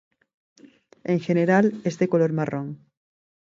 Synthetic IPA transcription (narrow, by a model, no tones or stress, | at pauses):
eŋxeneɾalezðekoloɾmarʔoŋ